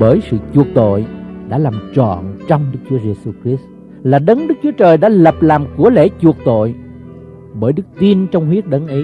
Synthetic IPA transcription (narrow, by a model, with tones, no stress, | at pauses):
ɓəː˧˩jsɨ̰˧˨t͡ɕu˨˩ək̚t̪o̰˧˨jɗa̰ː˧˥laː˨˩mt͡ɕɔ̰˧˨nt͡ɕɔ˧wŋ͡mɗɨ˦˥k̚t͡ɕu˨˦əze˧su˧xɾi˦˥s | laː˨˩ɗə˨˦nɗɨ˦˥k̚t͡ɕu˨˦ət͡ɕəː˨˩jɗa̰ː˧˥lə˨˩p̚laː˨˩mku˧˩əle˧˩t͡ɕu˨˩ək̚t̪o̰˧˨j | ɓəː˧˩jɗɨ˦˥k̚t̪i˧ənt͡ɕɔ˧wŋ͡mhwi˦˥ət̚ɗə˨˦nʔə˨˦j